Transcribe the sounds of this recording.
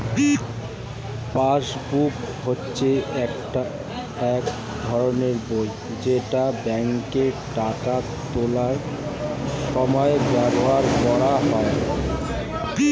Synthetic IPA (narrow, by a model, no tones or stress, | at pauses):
pasbup | hotːɕʰeɛkʈa | ɛk | d̪ʱɔɾoneɾboj | d͡ʑeʈabɛŋkeʈaka | t̪olaɾ | ʃɔmɔebɛboɦaɾbɔɽaɦɔe